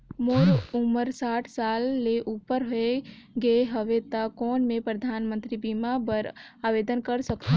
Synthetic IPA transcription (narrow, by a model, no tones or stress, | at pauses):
moːɾuməɾsaːʈʰsaːlːeʔuːpəɾɦoe | ɡəeɦɐʋet̪akɔːnmẽpɾəd̪ʱaːnmə̃nt̪ɾibiːmabəɾ | aːʋeːd̪ənkəɾsɐkt̪